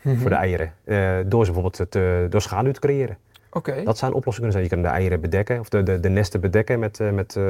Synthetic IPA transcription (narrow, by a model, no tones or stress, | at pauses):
fʊːdə̰ɛjəɾʔəədoːsbəfoːbelˠtədoːrsxaːdəytə̥krejɪːɾə | okedɔtsɛənʔoplɔsɪŋkønəzɛjnjəkønəndə̰ʔɛ̰jəɾəbədɛkəɔfəədənɛstəbədɛkəmɛtmɛt